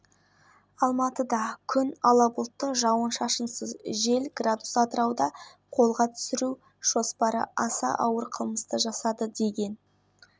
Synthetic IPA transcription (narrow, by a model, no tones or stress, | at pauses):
ɑlˠmɑt̪əd̪ɑkʲʰʏnɑlˠɑbʊlˠt̪ːəʒɑwənʃɑʃənsəzʒe̞lɡrad̪u̥sɑd̪əɾɑwd̪ɑ | qʰo̞lˠʁɑt̪ʰʏ̥sɪɾu | ʒ̥o̞spɑɾə̰ʔɑsɑ̰ʔɑwəɾqʰəlˠməst̪əʒɑsɑd̪əd̪e̞ɡʲe̞n